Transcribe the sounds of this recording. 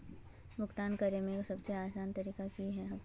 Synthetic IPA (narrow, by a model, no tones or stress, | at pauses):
bʱʊɡt̪aːnkɐɾemẽksɐbseaːsaːnt̪ɐɾiːkakiɦɛɦɐ